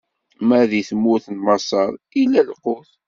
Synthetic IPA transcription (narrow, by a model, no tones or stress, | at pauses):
mæðiθəmːʊɾθənmɑsˤɑɾˤilːælqʊθ